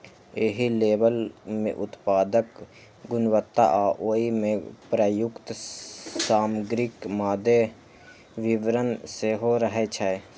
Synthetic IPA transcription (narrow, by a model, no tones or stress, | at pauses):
eɦileːbəlmḛ̃ʔʊt̪paːd̪ək | ɡʊnʋət̪ːa̰ʔaːʔoːimẽpɾəjʊkt̪ | saːməɡɾɪkmaːd̪e | ʋɪʋɾənseɦoɾəɦet͡ʃʰəe